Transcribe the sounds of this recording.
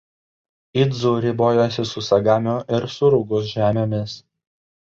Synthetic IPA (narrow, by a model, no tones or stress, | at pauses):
ɪd̪zuɾʲɪboːjoːsʲɪsʊsɐɡɑːmʲʊʔɪɾsʊɾʊɡʊsʒʲæːmʲoːmʲɪs